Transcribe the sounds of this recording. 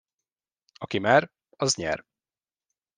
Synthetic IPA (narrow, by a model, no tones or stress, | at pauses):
ɒkimaːɾ | ɒzɲɛ̰r